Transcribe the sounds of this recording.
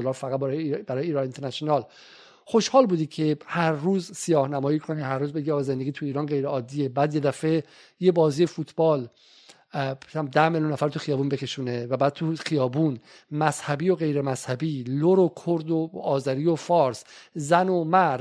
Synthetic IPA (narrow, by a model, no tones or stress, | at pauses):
olɒːɾfæɣæt̪ɾbæɾɒːjiːɾɒint̪ʰeɾnæsonɒːl | χo̞ʃhɒːlbuːd̪iːcʰe̞hæɾːuːzsijɒːhnæmɒːjiːkʰoniːhæɾːuːzbe̞ɡiɒjze̞nd̪eɡiːt̪ʰuiːɾɒːnɢe̞jɾeɒːd̪ːiːe̞bæːd̪je̞d̪æfe̞ | jebɒːziːjefuːt̪ʰbɒːl | d̪æhmeljunːæfæɾt̪ʰuxijɒːbuːnbe̞kʰe̞ʃuːnevæbæːd̪̚t̪ʰuxijɒːbuːn | mæz̥hæbiːo̞ɣe̞jɾemæzhæbiːloɾokʰoɾd̪oɒːzæɾiːofɒːɾszænomæɾd̪